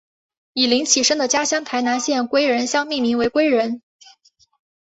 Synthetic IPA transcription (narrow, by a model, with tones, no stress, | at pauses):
i˨˩li˧˥ŋt͡ɕʰi˨˩ʂə˥ŋd̪ə˨t͡ɕja˥ɕjɑ˥ŋt̪ʰa˧˥ɪna˧˥nɕjɛ˥˩nkwe˥ɪɻə˧˥nɕjɑ˥ŋmi˥˩mi˧˥ŋwe˧˥ɪkwe˥ɪɻə˧˥n